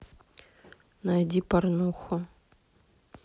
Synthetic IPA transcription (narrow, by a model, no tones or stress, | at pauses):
najdʲiparnuxʊ